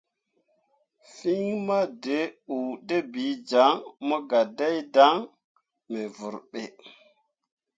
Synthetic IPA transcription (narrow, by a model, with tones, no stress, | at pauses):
fi˦ŋma˦de˨˦u˨de˦bi˨˦d͡ʒa˨˦ŋma˦ɡa˨da˦jda˦ŋ | me˨vu˨ɾɓe˨